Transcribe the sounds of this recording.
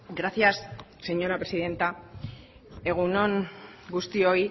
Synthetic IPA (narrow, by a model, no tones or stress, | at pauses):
ɡɾaθjasːe̞ɲo̞ɾapɾe̞siðe̞nt̪a | e̞ɣ̞uno̞ŋɡust̪io̞i